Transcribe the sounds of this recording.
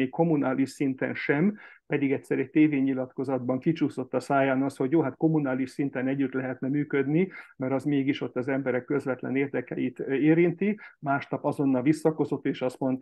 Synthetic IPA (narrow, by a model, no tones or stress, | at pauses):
eːkko̞munaːliʃsint̪ɛ̰nʃɛmpɛd̪iɡɛtʲsɛɾɛc̚t̪eːveːɲːilɒt̪ko̞zɒd̪bɒŋkit͡ʃuːso̞t̪ːɒsaːjaːnɒsho̞ɟjoːɦat̪ko̞munaːliʃsint̪ɛnɛɟːyt̪lɛɦɛt̪nɛmyːkød̪nimɛɾɒzmeːɡiʃo̞t̪ːɒzɛmbɛɾɛkːø̞zvɛt̪lɛ̰neːrd̪ɛkɛjit̪eːɾint̪imaːʃt̪ɒpɒzo̞nːɒlʋisːɒko̞zo̞t̪ːeːʃɒst̪mo̞nt̪